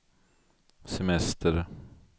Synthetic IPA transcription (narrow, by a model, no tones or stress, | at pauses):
sɛmɛst̪əɾ